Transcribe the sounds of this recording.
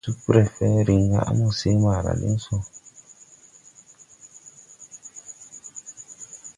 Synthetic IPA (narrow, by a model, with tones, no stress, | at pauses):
u˦ku˦ɾɛ˨fɛ˦ɾi˨ŋ˦ɡa˦a̰˦mũ˦˨se˦ma˨ɾa̰˨lḭ˦n˦sɔ˦